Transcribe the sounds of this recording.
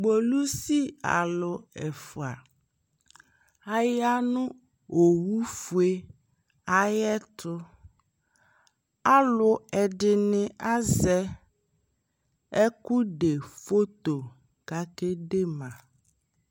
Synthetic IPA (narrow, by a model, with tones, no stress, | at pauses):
ɡ͡bo˨lu˦si˦a̰˨lʊ˨ɛ˨fu˨a˨ | a˨ja˦nũ˦ | o˨wu˦fu˨e˦ | a˨jɛ˦t̪ʊ˦ | a˦lʊ˦ɛ˨ɖɪ˨nɪ̃˦a˦zɛ˦ | ɛ˦ku˦ɖe˨fo˦t̪o˨ | ɡ̥a˦ke˦ɖe˦mã˨